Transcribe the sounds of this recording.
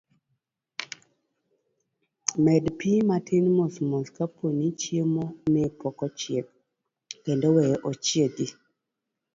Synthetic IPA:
mɛdpimatʰɪnmosmoskapʰonit͡ʃjemomɪpɔkɔt͡ʃjek̚ | kɛndɔwɛjʔɔt͡ʃjeɡi

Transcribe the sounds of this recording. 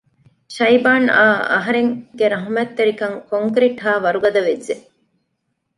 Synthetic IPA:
ʃɐjbaːnaːɐ̰ɦɐɾeŋɡeɾɐɦɐmɐt̪ːeɾikɐŋkoŋkɾiʈɦaːʋɐɾuɡɐd̪ɐʋed͡ʒʒe

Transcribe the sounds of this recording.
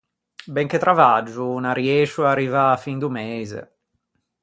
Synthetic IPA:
bɛŋket̪ɾavad͡ʒːunarjɛːʃuarːivafind̪umeːzḛ

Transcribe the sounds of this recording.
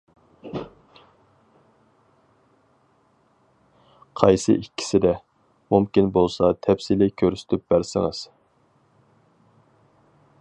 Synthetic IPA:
qʰɑjsɨ̰ʔikʲːʰi̥sɪd̪ɛ | mumkʲinbolˠsɑt̪ʰɛpsilɪkʲʰøɾsy̥t̪ʰyp̚bæɾsɪ̰ŋɨ̰z̥

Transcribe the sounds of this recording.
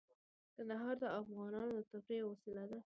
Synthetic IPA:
k̪and̪aɦɑɾd̪əafɣɑnɑnod̪ət̪apɾewɑsɪlad̪a

